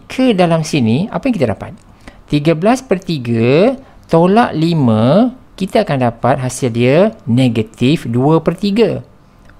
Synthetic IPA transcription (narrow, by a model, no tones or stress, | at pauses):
kʰədalamsinĩa̰pajaŋkit̪adapat̪̚ | t̪iɡəblaspərt̪iɡə | t̪ola̰ʔlimə̃kit̪aakandapat̪̚ɦasɪldiənẽɡət̪ifduəpərt̪iɡə